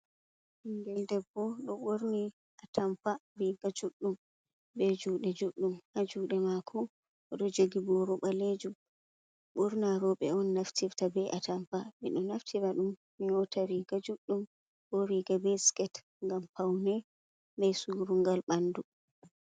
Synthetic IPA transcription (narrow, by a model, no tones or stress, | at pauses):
hiŋɡɛldɛbːɔɗɔɓoɾni | ʔatamfaɾiɡad͡ʒuɗːum | bɛd͡ʒuːɗɛd͡ʒuɗːumad͡ʒuɗɛmakʰɔ | ɔɗɔd͡ʒoɡibɔɾɔɓaled͡ʒum | ɓuɾnaɾɔɓɛɔnːaftʰiɾtabɛʔatʰamfamḭɗɔnaftʰiɾaɗumːinɔtʰaɾiɡad͡ʒuɗːum | bɔɾiɡabɛskɛt | ŋɡampawnɛ | bɛjsuːɾuŋɡalɓandu